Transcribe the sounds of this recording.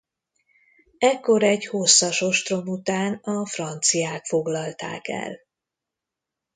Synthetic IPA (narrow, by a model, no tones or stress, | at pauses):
ɛkːo̞ɾɛɟho̞sːɒʃo̞ʃt̪ro̞mut̪aːnɒfrɒnt̪sijaːkfo̞ɡlɒlt̪a̰ːkɛ̰l